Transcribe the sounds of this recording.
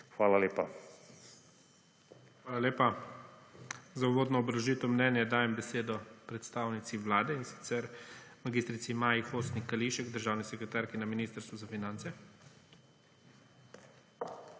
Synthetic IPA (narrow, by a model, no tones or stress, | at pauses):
xʋaːlaleːpa | xʋaːlaleːpa | zauʋoːd̪nɔːbɾɐʒit̪ɔmnɛːnjɛd̪aːjɛmbɛseːd̪ɔpɾɛt̪st̪aːwnit̪siʋlaːd̪ɛinsi̥t̪sɛɾmaɡist̪ɾit̪simaːjixoːst̪nikːaliʃɛɡd̪əɾʒaːwnisɛkɾɛt̪aːɾkinaminiːst̪əɾst̪ʋɔzafinant̪sɛ